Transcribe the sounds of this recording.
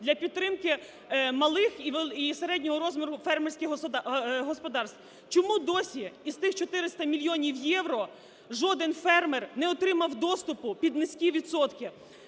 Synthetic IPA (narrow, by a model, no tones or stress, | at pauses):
d̪lʲɐpʲidt̪ːɾɪmkɪ | mɐlˠɪxiʋiseɾɛdʲnʲɔɦɔɾɔzmʲɔɾʊfɛrmersʲkʲɪ | ɦɔspɔd̪ɑrst̪ | t͡ʃɔmud̪ɔsʲiist̪ɪxt͡ʃɔt̪ɪɾɪst̪ɐmʲilʲjɔnʲiwjɛwɾɔ | ʒɔd̪enfɛrmɛrnɛɔt̪ɾɪmɐwd̪ɔst̪ʊpʊpʲid̪nɪsʲkʲiʋʲid̪sɔt̪kɪ